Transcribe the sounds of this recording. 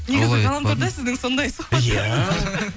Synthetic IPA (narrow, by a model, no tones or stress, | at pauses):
ne̞ɡʲɪzɪqɑlˠɑmt̪ɑɾd̪ɑsɪzd̪ɪŋso̞nd̪ɑjsoɑjæ